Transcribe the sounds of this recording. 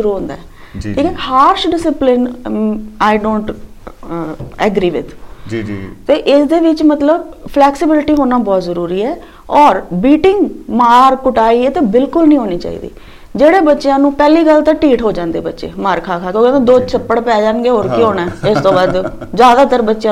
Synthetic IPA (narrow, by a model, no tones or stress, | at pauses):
ʃʊɾuːɦʊ̃nd̪a̰ːɛː | iːkɛːhaːɾʃɖɪsɪplɪn | aːɪɖõːɳʈ | ɛɡɾiːʋɪ̰d̪ | t̪eːʔɪsd̪eːʋɪt͡ʃmət̪ləbpʰlɛːksɪbɪlɪʈiːɦoːnaːbɔːt̪zəɾuːɾiːɛː | ɔːɾbiːʈɪ̃ŋɡmaːɾkʊʈaːiːeːt̪eːbɪlkʊlnəĩːɦoːniːt͡ʃa̰ːḭːd̪ḭː | d͡ʒeːɽeːbətːʃɪjãːnũːpɛːliːɡəlt̪ãːʈiːʈɦoːd͡ʒãːnd̪ḛːbətːʃḛːmaːɾkʰaːkʰaːkjõːkɛ̃ːnd̪eːd̪oːt͡ʃʰəpːəɽpɛːd͡ʒãːnɡeːɦoːɾkioːnɛːɪst̪õːbaːd̪ | zjaːd̪aːt̪əɾbətːʃjãː